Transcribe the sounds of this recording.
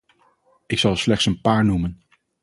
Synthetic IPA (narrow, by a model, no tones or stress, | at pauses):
ɪksɑlˠslɛχtsənpaːɹnumən